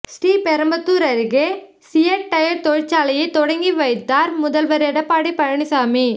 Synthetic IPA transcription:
sʈiːpɛɾɐmbɐt̪ːuːɾɐɾɪɣe | sɪjɐʈːɐjɐɾt̪ɔɻt͡ʃːaːlɐjɐɪt̪ɔɽɐŋɡiʋɐɪt̪ːaːɾmʊðɐlʋɐɾɛɽɐpːaːɽipɐɻɐɳɪsaːmi

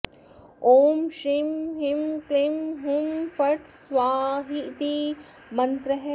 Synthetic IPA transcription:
oːmʃɾimɦimklimɦumfɐʈsʋaːɦit̪i | mɐ̃nt̪ɾɐɦ

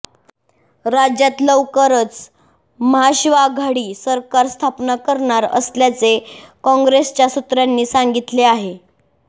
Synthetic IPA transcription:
ɾad͡ʑjat̪ləʋkəɾət͡s | məɦaɕiʋaɡʱaɽiːsəɾkaɾst̪ʰapnakəɾɳaɾə̰sljat͡sekɔ̃ŋɡɾest͡ɕjasut̪ɾjanːiːsaŋɡit̪leaɦe

